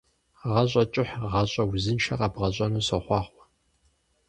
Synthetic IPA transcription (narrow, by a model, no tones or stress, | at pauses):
ʁɐɕʼɐt͡ʃʼɪħʁɐɕʼɐwzɨnʃɐqɐbʁɐɕʼɐnuːɕɐχʷɑːχʷɔ̥